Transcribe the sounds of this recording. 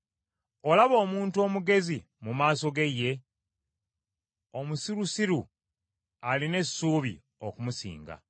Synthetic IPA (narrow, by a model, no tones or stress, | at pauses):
o̞laβo̞ːmuːntuo̞ːmuɡe̞zi | mumaːso̞ɡe̞je̞ | o̞musiɾusiɾu | aline̞suːβḭ | okumusḭːŋɡa̰